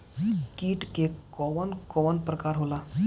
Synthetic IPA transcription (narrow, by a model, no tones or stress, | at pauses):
kiːʈkekɔʋənkɔʋənpɾəkaɾɦola